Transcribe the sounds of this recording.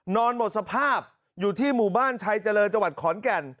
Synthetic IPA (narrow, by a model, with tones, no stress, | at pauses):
nɔː˧nmo˨˩t̪̚sa˧pʰaː˥˩p̚ | juː˨˩t̪ʰiː˥˩muː˨˩baː˥˩nt͡ɕʰa˧jt͡ɕa˧lɤː˧nt͡ɕa˧wa˨˩t̪̚kʰɔː˩˦nkɛ˧˩n